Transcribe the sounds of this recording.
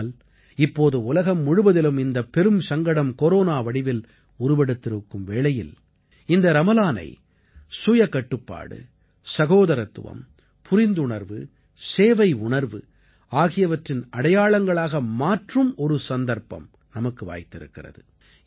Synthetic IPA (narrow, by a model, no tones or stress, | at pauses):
l | ɪpːoːðɯʊlɐɣɐmːʊɻɯʋɐðɪlɯmɪnd̪ɐpːɛɾɯmsɐŋɡɐɽɐmkoɾoːnaːʋɐɽɪʋɪl | ʊɾʊʋɛɽɯt̪ːɪɾɯkːɯmʋeːɭɐjɪ̰l | ɪnd̪ɐɾɐmɐlaːnɐ̰ɪ | sʊjɐkːɐʈːɯpːa̰ːɽɯ̰ | sɐɣoːðɐɾɐt̪ːɯ̰ʋɐ̰m | pʰʊɾɪnd̪ɯɳɐɾʋɯ | seːʋɐɪʊɳɐɾʋɯ | aːɣɪjɐʋɐʈrɪnɐɽɐjaːɭɐŋɡɐɭaːɣɐmaːʈrɯmɔɾɯsɐnd̪ɐɾpɐ̰m | nɐmɐkːɯʋa̰ːjt̪ːɪɾɯ̰kːɪrɐ̰ðɯ